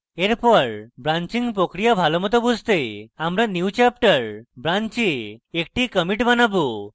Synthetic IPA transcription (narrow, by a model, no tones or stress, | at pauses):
eɾpɔɾbɾaɲt͡ɕiŋɡpɾokɾijabʱalɔmɔt̪̬ɔbud͡zʱt̪eamɾanjut͡ɕap̚ʈəɾbɾaɲt͡ɕiek̚ʈikəmiʈbanabu